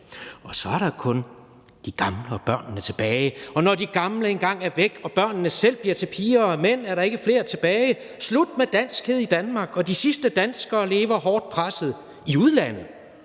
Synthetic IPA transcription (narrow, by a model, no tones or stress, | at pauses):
ɒ̽sɒ̽æɐɾɑ̈kʰɔ̽n | d̥iɡ̥ɑ̈mləɒ̽b̥ɶɐ̰nnət͡sʰe̝b̥ɛːɪɒ̽nɒdiɡ̥ɑ̈mləenɡ̥ɑ̈ŋ̰æɐʋeɡ̥ɒ̽b̥ɶɐ̰nnəsel̰b̥liɐ̰t͡sʰe̝pʰiːɐmen̰æɐɾɑ̈e̝ɡ̥əfle̝ːɐt͡sʰe̝b̥ɛːɪ | slud̥̚med̥æn̰sɡ̥heð̞ˠid̥ænmɑ̈ɡ̥ɒ̽d̥isisd̥əd̥ænsɡ̥ɐːle̝ːʋɐɦɒːd̥̚pʰʁasð̞̩ˠ | iuð̞ˠlæn̰ð̞̩ˠ